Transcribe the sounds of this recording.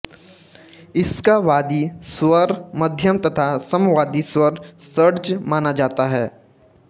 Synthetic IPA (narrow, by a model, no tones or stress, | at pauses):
ɪskaʋaːd̪iswəɾmɐd̪ʱjəmt̪ɐt̪ʰasɐmʋaːd̪iswəɾsəɾt͡ʃmaːnad͡ʒaːt̪aɦɛː